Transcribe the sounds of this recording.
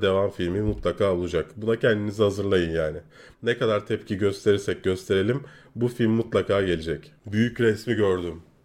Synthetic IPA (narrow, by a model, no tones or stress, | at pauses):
d̪e̞vamfilʲmimut̪lˠakʰaːolˠud͡ʒakbunacʰɛnd̪inizɪhazɯɾlˠajɯnjaːnɪ | nekad̪aɾt̪ʰɛpcʰiɟø̞st̪ʰeɾiɾsɛc̚ɟø̞st̪ʰe̞ɾe̞lʲimbufilʲmːut̪lˠakʰaːɟe̞lʲed͡ʒɛcbyjycɾɛsmiɟø̞ɾd̪ym